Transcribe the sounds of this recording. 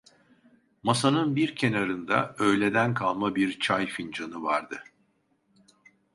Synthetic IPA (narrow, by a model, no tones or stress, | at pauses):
masanɯnbiɾcʰe̞naɾɯnd̪a̰ø̞jlʲe̞d̪ænkʰalˠmabiɾt͡ʃʰajfind͡ʒanɯvaɾd̪ɯ